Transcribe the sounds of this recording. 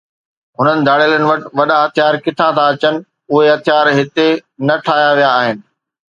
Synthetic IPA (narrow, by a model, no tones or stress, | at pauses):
ɦʊnənɪ̆d̪ʱaːɽələnɪ̆ʋɐʈɪʋɐɗãɦɐt̪ʰjaːɾkɪʈʰãt̪ʰãɐt͡ɕənɪ̆ | ʊɦeɦɐt̪ʰjaːɾɦɪt̪enɐʈʰaːjaʋijaːɦɪnɪ̆